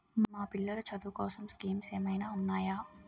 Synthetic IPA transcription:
maːpilːɐlɐt͡ʃɐd̪ukɔːsɐmskiːmseːmɐjnaːunːaːjaː

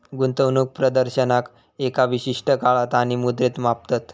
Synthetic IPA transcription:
ɡunt̪əwnuːk̚pɾəd̪əɾɕənak | ekaʋiɕiʂʈəkaɭat̪aɽ̃imud̪ɾet̪map̚t̪at̪

